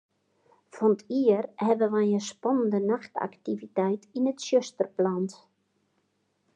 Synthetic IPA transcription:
fɔnətʰiərhɛʋəʋanəspɔnəndənaxta̰ktivitɛjtinətʃøstərplant

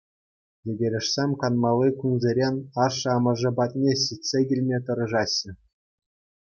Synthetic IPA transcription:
jedʲeɾʲɘ̆ʂsʲemʲkɑnmɑlˠːɯkunzʲeɾʲenʲɑʂɤ̆ɑmɤ̆ʐɤ̆bɑt̪̚ʲnʲeɕʲitʲsʲeɡʲilʲmʲet̪ɤ̆ɾɤ̆ʐɑɕːɘ̆

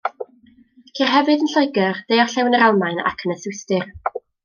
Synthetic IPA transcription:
kʰirɦɛvɨdənɬɔɨɡərd̥ejɔrɬɛwnəɾalˠmajna̰kʰənəθʊstɨr

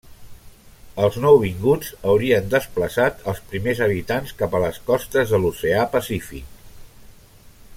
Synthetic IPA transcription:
əlˠznɔwβ̞iŋɡud͡zəwɾiənd̪əspləsat̪əlˠspɾimezəβ̞it̪anskapələskɔst̪əzðəluseapəsifḭk̚

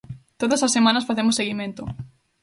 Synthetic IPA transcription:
t̪oðɐsɐsːemãnɐsfaθemʊsːeɣimẽnt̪ʊ

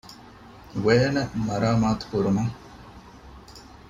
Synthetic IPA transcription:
ʋeːnəmɐɾaːmaːt̪u̥kuɾumɐ

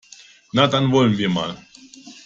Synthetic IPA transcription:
nat̪anvɔlʲmvʲima̰l

